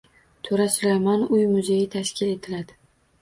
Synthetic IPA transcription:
t̪ʰoɾasʊɾajmanʊjmʊze̞jɪt̪ʰaʃkʲɪle̞t̪ʰɪlad̪ɪ

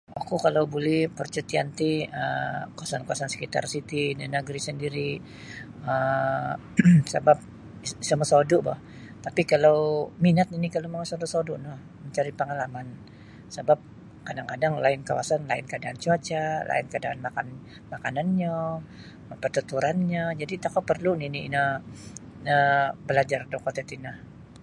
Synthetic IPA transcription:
akukalawbolɛhpərt͡ʃət̪iant̪iə̰kawasankawasansə̥kit̪a̰rsit̪idinəɡɾisəndiɾi | ə | səbap̚ | səməsɔdɔʔbɔ̰h | t̪apikalawminat̪inikaloməŋasɔdosodoʔnɔh | məɲt͡ʃaɾipəŋalaman | səbap̚ | kadaŋkadaŋlaɪnkawa̰sanla̰ɪ̰nkadaːnt͡ʃuat͡ʃalʔa̰ɪnkadaanmakan | makananɲa | pərt̪ət̪uɾanɲad͡ʒadit̪akapərluninḭːna | nəbəlad͡ʒardokɔt̪ɛt̪inah

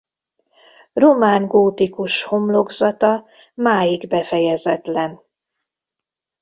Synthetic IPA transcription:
romaːŋɡoːt̪ikuʃho̞mlo̞ɡzɒt̪ɒ | maːjiɡbɛfɛjɛzɛt̪lɛn

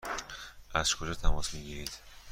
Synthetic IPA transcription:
ʔæz̥kʰod͡ʒɒːt̪ʰæmɒːsmiɡiːɾiːd̪̥

